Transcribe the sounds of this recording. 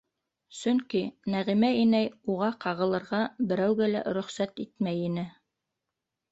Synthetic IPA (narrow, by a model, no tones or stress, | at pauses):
sɵŋkinæʁimæinæjuʁɑqɑʁɤ̆lˠɤ̆ɾʁɑbɘ̆ɾæwɡælæ̰ɾɵ̆χsæt̪it̪mæjinɘ